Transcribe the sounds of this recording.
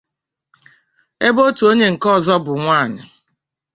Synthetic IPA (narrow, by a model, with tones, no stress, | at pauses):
e˦bo˦tu˨o˦ɲe˦ŋ̩˨kɔ˦˨zɔ˦bʊ˨ŋʷaː˦˨nɪ˨